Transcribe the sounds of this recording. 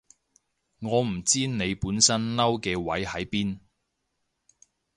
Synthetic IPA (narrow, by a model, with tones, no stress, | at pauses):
ŋɔː˨˧m̩˨˩t͡siː˥ne˨˧jpuː˨˥nsɐ˥nlɐ˥wkɛː˧wɐ˨˥jhɐ˨˥jpiː˥n